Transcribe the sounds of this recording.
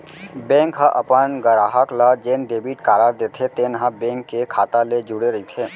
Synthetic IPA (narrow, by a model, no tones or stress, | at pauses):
bɛ̃ːŋkɦãʔɐpənɡəɾaːɦəklad͡ʒeːnɖeːbiʈkaːɾaːɾd̪eːt̪ʰet̪eːnɦãbɛ̃ːŋkːekʰaːt̪aled͡ʒʊɽeɾɐɦit̪ʰeː